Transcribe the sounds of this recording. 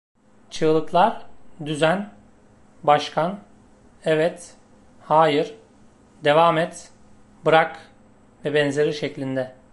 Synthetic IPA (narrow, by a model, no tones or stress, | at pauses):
t͡ʃʰɯːlˠɯklˠaɾd̪yzæn | baʃkʰan | ɛvɛt̪ | haːjɯɾ | d̪e̞vaːmɛt̪ | bɯɾak | vɛbɛnze̞ɾiʃeclʲind̪ɛ